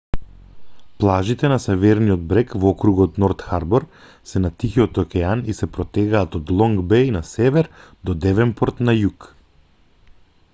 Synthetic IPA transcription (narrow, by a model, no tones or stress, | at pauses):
plˠaʒit̪ɛnasɛvɛɾniɔd̪̚bɾɛkvɔkɾuɡɔt̪nɔɾt̪xaɾbɔɾ | sɛnat̪ixiɔt̪ɔkʲɛanisɛpɾɔt̪ɛɡaːt̪ɔd̪lˠɔŋɡbɛjnasɛvɛɾd̪ɔd̪ɛvɛmpɔɾt̪najuk